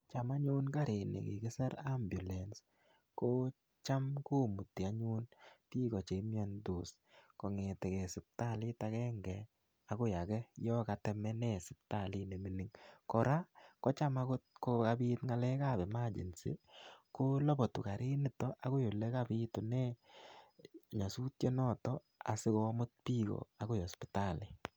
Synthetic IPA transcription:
t͡ʃa˨ma˦ɲu˦nka˦ɾe˨nḛ˨kɪ̰˨ke˦sɛ˦ɾa˦mbju˨lɛ˨ns | ko˦ | t͡ʃa˦mku˦mu˨tːi˨a˦ɲu˦nti˦kɔ˨t͡ʃe˨˦mi˦ɔ˦ndu˨s | kɔ˨ŋe˨tɛ˨kɛ˨sɪ˨p̚ta˦˨lɪ˦ta˨kɛ˦ŋɡɛ˨ | a˨kʊ˦ja˨kɛ˦jɔ˦ka˨tɛ˨mɛ˦nɛ˦sɪ˨p̚ta˨li˦ne˨mi˨ni˦ŋkɔ˨ɾa˦kɔ˦t͡ʃa˦ma˦ko˦ko˦ka˧bi˦tŋa˨lɛ˦ka˦bɛ˨ma˦d͡ʒḛ˨nsḭ˦kʊ˦lɔ˦bɔ˨tu˨ka˨ɾɪ˦ni˨tɔ˦ʔa˨˦ɣo˦jo˨le˦ka˦bi˦to˨nɛ˦˨ | ɲa˨su˦tje˦nɔ˦tɔ | a̰˨sɪ˦kɔ˦mʊ˦t̚pi˦kɔ̰a˨ko˦jɔ˨spi˨ta˦˨li˨

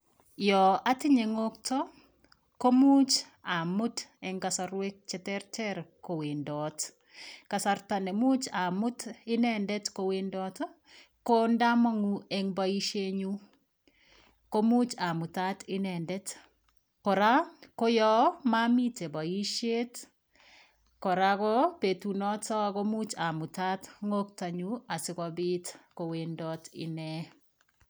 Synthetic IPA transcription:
jɔ˨a˦tɪ˦ɲe˨ŋo˦ktɔ | ko˦mu˦t͡ʃ | a˨mʊ˦tɛŋkasaɾwe˦k̚t͡ʃɛtɛ˦ɾtɛɾko˨we˨ndɔt | kasaɾtanɛ˨mu˦t͡ʃa˨mʊ˦tɪ˦nɛndɛtko˧wendɔtɔ | ko˦nda˦ma˦ŋu˦ɛ˦ŋbai˦ʃe˦ɲu˦ | ko˦mu˦t͡ʃa˨mʊ˨ta˦tɪ˦nɛ˨ndɛ˦t | kɔ˨ɾa˦ko˦jɔ˦ma˦mi˦te˨ba˨i˦ʃe˦t | kɔ˨ɾa˦kɔ˦pe˨tu˨nɔ˦tɔ˦ko˦mu˦t͡ʃa˨mʊ˨ta˦tŋo˦k̚ta˨ɲu˦a˨sɪ˦kɔ˧bɪ˦tko˨we˨ndɔtɪ̰˨nɛ˨

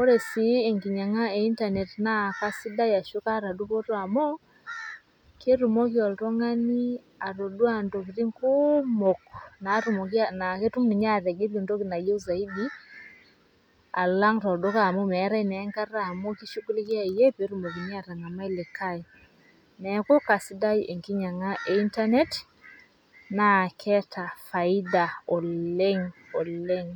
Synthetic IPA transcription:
o˦ɾɛ˨si˨e˨ŋɡi˨ɲa˨ŋa˦e˨i˦nta˨nɛ˨tna˦ka˦si˦da˦ja˨ʃo˦ka˦ɾa˨du˦kɔ˦tɔ˦a˨mɔ˦ | ke˦ɾu˨mɔ˦kjɔ˨ltɔ˦ŋa˦ni˦ | a˨ɾo˨dwa˨ndo˨ki˨ɾi˦ŋko˦mo˨kna˨˦ɾu˨mɔ˨kja˦na˨ke˦tu˦mni˨ɲa˦˨ɾɛ˨ɡe˦lo˨ndo˦ki˨na˨jɛ˦u˦za˨i˦di˦ | a̰˨la˦ŋtɔ˨do˦ka˦˨mo˦mɛ˨˦ɾa˦i˦nɛ˨˦ŋka˦ɾa˦˨mo˦ki˦ʃu˦ku˦le˦ki˦a˦˨je˦pe˨˦ɾu˨mo˨ki˨ɲ˦a˦˨ɾa˨ŋa˨ma˦i˦le˨kʰa˦i˨ | nɛ˨˦ko˦ka˨si˦da˦iʔe˨ŋki˦ɲa˨ŋa˦ʔe˦i˦nta˦nɛ˦t | na˨kʰɛ˦ta˨fa˨i˦da˨ɔ˨le˦ŋɔ˨le˦ŋ

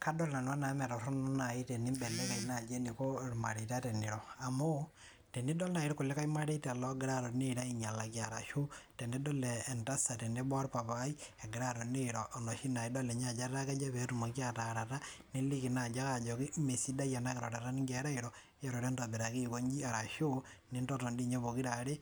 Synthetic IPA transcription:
ka˦dɔ˦lna˨nwa˦na˨mɛ˨ɾɔ˨ɾɔ˦nɔ˦na˨i˦te˨ni˦mbɛ˨lɛ˦ka˨ina˨d͡ʒe˦ni˨ko˦ɾma˨ɾita˦tɛ˨ni˨ɾɔ˨a˨mo˦ | te˨ni˦dɔ˦lna˨iɾɔko˨lɛ˦ka˦i˦ma˦ɾi˦ta˨lɔ˦ɡɪ˦ɾa˦ɾɔ˨ne˦ɾa˦i˦ɲa˨la˨kjaɾa˨ʃu˦tɛ˨ndɛ˦dɔ˦lɛː˨nta˦sa˨tɛ˨nde˦bɔ˦ɾpa˨βa˦ie˨ɡiɾa˦ɾo˨neɾoʔːno˨ʃi˦na˨ido˦le˨ɲad͡ʒa˦ɾɾa˦ke˦d͡ʒa˦βeɾumo˨ki˦ataɾatane˦li˦ki˨na˨d͡ʒa˦ad͡ʒoki˦me˨si˦da˦ija˨naɣeɾoɾa˨ɾa˦ni˦ŋɡeɾa˦iɾo | jaɾo˨ɾe˦ntabiɾa˨ki˦ko˦ɲd͡ʒi˦a˨ɾa˨ʃo˦ | nentoto˨ndi˦ɲo˦βoki˦ɾaɾe

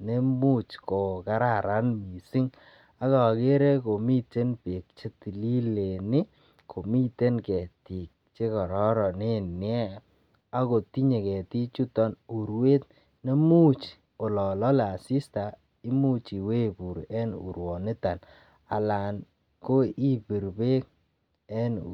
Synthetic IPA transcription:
ne˦mu˦t͡ʃko˨ka˦ɾa˨ɾa˦nmi˨si˦ŋ | a˦ka˨ke˦ɾe˦ko˨mi˦te˦npe˨k̚t͡ʃe˦ti˨li˦le˨nɪ˦ | kʰo˨mi˦te˦nkɛ˨ti˨k̚t͡ʃe˦kɔ˨ɾɔ˦ɾɔ˨ne˦˨nɪ˦ɛ˦ | a˦ko˨ti˦ɲe˨kɛ˨ti˦t͡ʃu˦tɔ˦nu˨ɾwe˦t | ne˦mu˦t͡ʃ | o˨lɔ˨lɔ˦la˨si˦sta˨ | ɪ˦mu˦t͡ʃi˨we˦bu˨ɾɛ˦nṵ˨ɾwɔ˨nɪ˦ta˨n | a̰˨la˨n | ko˦i˦bi˨ɾbe˦k̚ | ɛ˦n

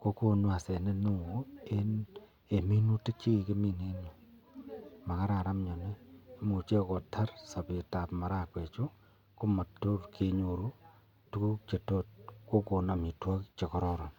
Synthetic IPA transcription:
ko˦ko˨nwa˨se˨ne˦nu˦ŋo˨e˦ | e˨mi˦nu˦ti˦k̚t͡ʃi˦i˨ke˦mi˨ne˦ɲo˨ | ma˨ka˦ɾa˨ɾa˦mɲɔ˨neː˦mu˨t͡ʃe˦kɔ˨tʰa˦rsa˨pe˨ta˨pma˨ɾa˦kwe˨t͡ʃu˦ | ko˦ma˨to˦rkʰe˦ɲo˨ɾu˦ | tu˦ku˦t͡ʃe˨to˦t̚ko˦ko˨na˨mi˨twɔ˦kt͡ʃe˨kɔ˦ɾɔ˦ɾɔ˨n

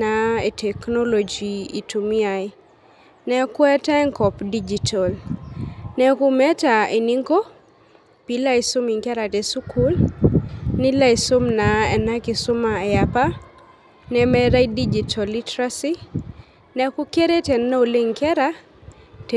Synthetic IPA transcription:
ae˨tʰɛ˨knɔ˦lo˨d͡ʒiḭ˨tu˨mi˦aj | nɛ˦kwɛ˦tɛ˦ŋkɔ˨pdid͡ʒitʰɔl | nɛ˦ku˦mɛ˦tae˨niŋɡo˦ | pila˦iso˦mi˨ŋkɛ˦ɾa˨tɛ˨su˦ku˦l | ni˦la˦iso˦mna˨ɛ˨na˦kɪ˨sʊ˦maɛapa˦ | nɛmɛ˦ɾa˦jdid͡ʒitʰɔ˨litɾasi | nɛku˦ke˦ɾe˦tɛ˨nːa˦o˨le˦ŋkɛ˦ɾa | t

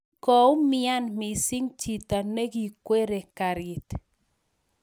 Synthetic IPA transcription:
kɔ˨u˦mɪ˦a˦nmi˨si˦ŋt͡ʃi˨ta˨ne˦ɡi˨kwe˦ɾe˨ka˨ɾɪ˨t̪

